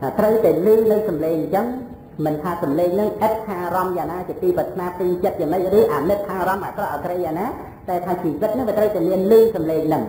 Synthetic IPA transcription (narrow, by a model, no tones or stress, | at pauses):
t̪ʰaːt̪rəwt̪aɛlɨːŋlɨsɑmleːŋt͡ɕəŋ | mɨnt̪ʰaːsɑmleːŋnɨŋʔət̪̚kʰaːrɑmjaːnaːt͡ɕiət̪iːprət̪ʰnaːp̪iːŋt͡ɕət̪̚t͡ɕaːməc̚rɨːʔaːnɨt̪̚kʰːaːɾɑmʔaːkrɑʔakrejaːŋnaː | taɛt̪ʰaːt͡ɕiːʋɨt̪̚nɨŋʋiət̪rəwt̪aɛmiənlɨːŋsɑmleːŋnɨŋ